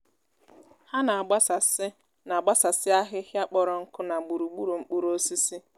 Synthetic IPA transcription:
ha˦na˨a˨ɡ͡ba˦sa˨s | na˨a˨ɡ͡ba˦sa˨sɪ˦a˦ɦɪ˦hja˦k͡pɔ˨ɾɔ˨ŋ̩˦kʊ˦na˨ɡ͡bu˨ɾu˨ɡ͡bu˦ɾu˨ŋ͡m̩˦k͡pu˦ɾo˦si˦si˦

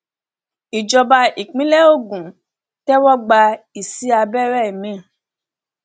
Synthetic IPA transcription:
i˨d͡ʒɔ˧ba˧i˨k͡pĩ˨˦lɛ˦o˦˨ɡũ˨ | tɛ˦wɔ˦ɡ͡ba˧i˨si˨˦a˧bɛ˦ɾɛ˦˨i˨mĩ˦˨

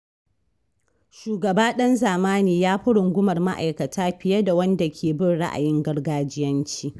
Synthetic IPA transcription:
ʃuː˨ɡɐ˨baː˦ɗɐ˦nzaː˨maː˦niː˨jaː˦ɸʊ˦ɽʊ˨ŋɡʷʊ˦mɐ˨rma˦ʔa̰˨jkɐ˨tʰaː˦ɸɪ˨jɐ˦da˨wɐ˦nda˨kʲʰeː˨bɪ˦nɽa̰˦ʔa̰˨jɪ˦ŋɡɐ˦ɽɡaː˦d͡ʒɪ˦jɐ˦nt͡ʃiː˦

